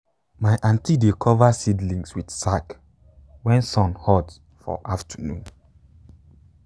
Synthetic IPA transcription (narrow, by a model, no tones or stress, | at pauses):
maɪʔãntidekʰɔvasidlĩŋswid̥sak | wɛ̃nsɔ̃nhɔd | fɔ̰ʔaftʰənũn